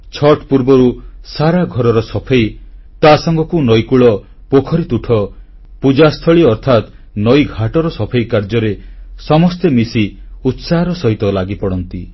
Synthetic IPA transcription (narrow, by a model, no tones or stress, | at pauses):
t͡ʃʰɔʈpuɾbɔɾusaɾaɡʱɔɾɔɾɔsɔpʰej | t̪asɔŋɡɔkunɔjkuɭɔ | pokʰɔɾit̪uʈʰɔ | pud͡ʒast̪ʰɔɭiɔɾt̪ʰat̪ | nɔjɡʱaʈɔɾɔsɔpʰejkaɾd͡ʒɔɾesɔmɔst̪emisiut̪saɦɔɾɔsɔɦit̪ɔlaɡipɔɽɔnt̪i